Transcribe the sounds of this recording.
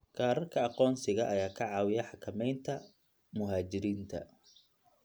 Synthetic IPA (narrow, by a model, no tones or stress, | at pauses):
kʰaːɾɐrkʰɐɑqɔːnsɪɣɐʔɐjaːkʰɐʕɑːwɪjɛħɑkʰɐmɛjnt̪ʰɐ | mʊɦaːt͡ʃɪɾiːnt̪ʰɐ̰